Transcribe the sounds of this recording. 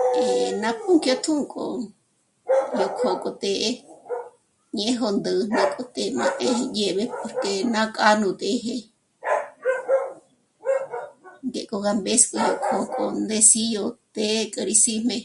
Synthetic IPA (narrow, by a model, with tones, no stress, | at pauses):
e˨nã˧pu˦ŋkjo˧t̪ʰũ˦ŋkʼo̰˧ | jo˧kʰo˧kʼo˧t̪e˧ʔe˦ | ɲẽ˧˦ɦo˧nd̪ɨ˧n̥ã˧kʼo˧t̪e˧mã˧ʔẽ˦he˧je˧βe˧po˧ɾke˧nã˦kʼa˦nũ˧t̪ʼe˧˦ɦe˧ | ŋɡe˨ʔkʼo˧ɣa˧mbe˦skʼo˧jo˧˨kʰo˧kʼo˧nd̪e˧˦si˦jo˧t̪e˦kʼə˧ɾi˧si˦mẽ˧